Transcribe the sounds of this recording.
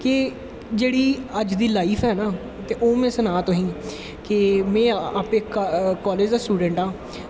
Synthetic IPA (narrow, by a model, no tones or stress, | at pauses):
kɪ | d͡ʒeːɽiːəd͡ʒd̪iːlaːiːpʰɦɛːnaː | t̪eːʔoːmɛ̃ːsənaːt̪oɦĩː | kɪmɛ̃ːaːpekːkɔːleːd͡ʒd̪aːsʈuːɖə̃ɳʈãː